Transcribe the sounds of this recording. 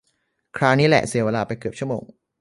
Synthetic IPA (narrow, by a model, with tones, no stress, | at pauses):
kʰɾaː˦˥niː˦˥lɛ̰˨ʔsi˨˩˦weː˧laː˧pa˧jkɯ˨˩p̚t͡ɕʰu˥˩əmo̰ː˧ŋ